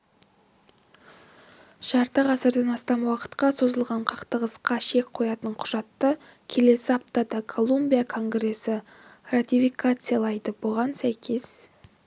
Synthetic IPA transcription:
ʃɑɾt̪əʁɑsəɾd̪ɑnɑst̪ɑmwɑqə̥t̪qɑso̞zəlˠʁɑɴqʰɑ̥qt̪əʁəsqɑʃe̞k̚ʲqʰo̞jɑt̪əɴqʰʊ̥ʒ̥ɑt̪ːə | kʲʰe̞le̞sɪɑp̚t̪ɑd̪ɑkʰo̞lˠumbʲijakʰo̞ŋɡre̞sɪ | rat̪ʲifikat̪sɨjalˠɑjd̪əbʊʁɑnsæjkʲʰe̞s

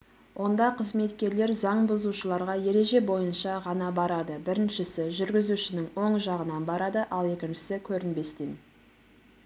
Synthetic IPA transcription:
wʔo̞nd̪ɑqʰəzme̞t̪kʲe̞ɾle̞ɾzɑɴbʊzuʃəlˠɑɾʁɑje̞ɾe̞ʒe̞bo̞jənʃɑʁɑnɑbɑɾɑd̪əbɪɾɪnʃɪsɪʒʏɾɡʲɪzuʃɪnɪŋwo̞ɴʒɑʁənɑnbɑɾɑd̪əʔɑlˠe̞kʲɪnʃɪ̥sɪkʲʰɵɾɪnbe̞st̪en

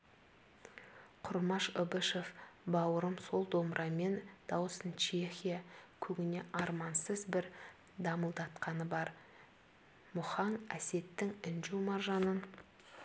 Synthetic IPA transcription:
qʰʊɾmɑʃobəʃefbɑwəɾəmso̞lˠd̪o̞mɾʔɑme̞nd̪̥ɑwəsənt͡ʃʰe̞xʲijakʲʰɵɡʲɪne̞ʔɑɾmɑnsəzbɪɾ | d̪ɑməlˠd̪ɑt̪qɑnəbɑɾ | mʊχɑnæ̰se̞t̪ːɪŋɪnʒumɑrʒɑnən

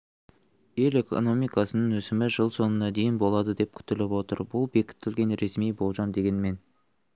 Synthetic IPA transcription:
je̞le̞kʰo̰no̞mijkɑsənəŋɵsɪmɪʒəlˠso̞nənɑd̪e̞jɪnbo̞lˠɑd̪əd̪e̞p̚kʲʰʏ̥t̪ɪlɪpwo̞t̪ə̰ɾbʊlˠbe̞kʲɪ̥t̪ːɪlɡʲe̞nɾe̞smijbo̞lˠʒɑmd̪e̞ɡʲe̞nme̞n

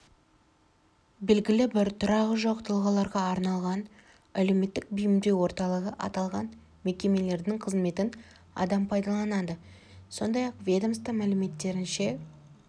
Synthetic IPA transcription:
be̞lɡʲɪlɪbɪɾt̪ʰʊɾɑʁəʒo̞qt̪ʰəlˠʁɑlˠɑɾʁɑːɾnɑlˠʁɑn | æle̞wme̞t̪ːɪk̚bʏjɪmd̪ewo̞ɾt̪ɑlˠəʁəʔɑ̰t̪ɑlˠʁɑn | me̞kʲe̞me̞le̞ɾd̪ɪŋqʰəzme̞t̪ɪn | ɑ̰d̪ɑmpʰɑjd̪ɑlˠɑnɑd̪əso̞nd̪ɑjɑqvʲe̞d̪omst̪əmælɪme̞t̪ːe̞ɾɪnʃe̞

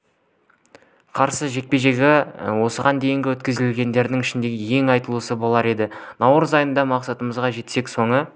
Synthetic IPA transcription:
qʰɑɾsəʒe̞k̚pe̞ʒe̞ɡʲɪwo̞səʁɑnd̪e̞jɪŋɡʲɪwɵt̪kʲɪzɪlɪlɡʲe̞nd̪e̞ɾd̪ɪŋɪʃɪnd̪e̞ɡʲɪje̞ŋɑjt̪əlˠuəsəbo̞lˠɑɾe̞d̪ɪnɑwɾəzɑjənd̪ɑmɑqsɑt̪əməzʁɑʒe̞t̪se̞kso̞ɴə

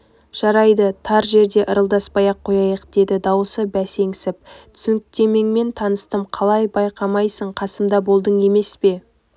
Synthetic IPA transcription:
ʒ̥ɑɾɑjd̪ət̪ʰɑɾʒe̞ɾd̪e̞ʔəɾəlˠd̪ɑspɑjɑqʰːo̞jɑjəqd̪̥e̞d̪ɪd̪ɑwəsəbæse̞ŋsɪp̚t̪ʰʏ̥sʏŋkt̪e̞me̞ŋme̞nt̪ʰɑnəst̪əmqʰɑlˠɑjbɑjqʰɑmɑjsəɴqʰɑsəmd̪ɑbo̞lˠd̪əɴe̞me̞spe̞

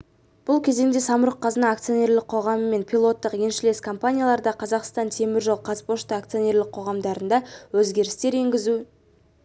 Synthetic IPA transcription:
b̥ʊlˠkʲʰe̞ze̞ŋd̪e̞sɑmʊɾəqʰːɑzənɑːk̚t̪sijo̞nʲe̞ɾlɪk̚qʰo̞ʁɑməmːe̞npʲʰilˠo̞t̪ːəqje̞nʃɪle̞skʰo̞mpanʲijalˠɑɾd̪ɑqʰɑzɑqst̪ɑnt̪ʰe̞mɪɾʒolˠqʰɑspo̞ʃt̪əak̚t̪sio̞ne̞ɾlɪk̚qʰo̞ʁɑmd̪ɑɾənd̪ɑwɵzɡʲe̞ɾɪst̪e̞ɾe̞ŋɡʲɪzu

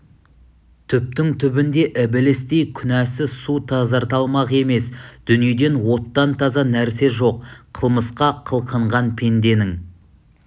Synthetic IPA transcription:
t̪ʰʏp̚t̪ɪŋt̪ʰʏbɪnd̪e̞ʔɪbɪlɪst̪ejkʲʰʏnæsɪsut̪ʰɑzɑɾt̪ɑlˠmɑʁe̞me̞sd̪̥ʏnije̞d̪e̞nwo̞t̪ːɑnt̪ʰɑzɑnæɾse̞ʒo̞qʰəlˠməsqɑqʰəlˠqʰəɴʁɑnpʰe̞nd̪e̞nɪŋ

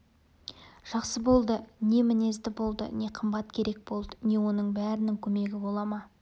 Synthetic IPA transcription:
ʒ̥ɑqsəbo̞lˠd̪əne̞mɪne̞zd̪ɪbo̞lˠd̪ə̰ne̞qʰəmbɑt̪kʲʰe̞ɾe̞k̚bo̞lˠd̪əne̞wo̞nəɴbæɾɪnɪŋkʲʰɵme̞ɡʲɪbo̞lˠɑmɑ

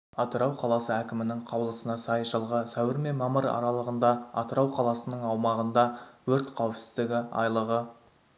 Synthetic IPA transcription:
ɑt̪əɾɑwqʰɑlˠɑsəækʲɪmɪnɪŋqʰɑwlˠəsənɑsɑjʒəlˠʁəsæwɪɾme̞mɑməɾɑ̰ɾɑlˠəʁənd̪ɑɑ̰t̪əɾɑwqʰɑlˠɑsənəɴɑwmɑʁənd̪ɑwɵɾt̪qʰɑwɪpsɪ̥zd̪ɪɡʲɪɑ̰jlˠəʁə

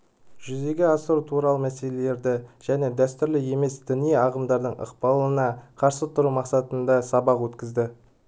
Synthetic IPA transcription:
ʒʏze̞ɡʲɪɑsəɾut̪ʰuɾɑlˠəmæse̞le̞le̞ɾd̪ɪʒ̥æne̞d̪æst̪ʏɾlɪe̞me̞sd̪̥ɪnijeɑʁəmd̪ɑɾd̪əɴʔə̰qpɑlˠənɑqʰɑɾsət̪ʰʊɾumɑqsɑt̪ənd̪ɑsɑbɑqwɵt̪kʲɪzd̪ɪ

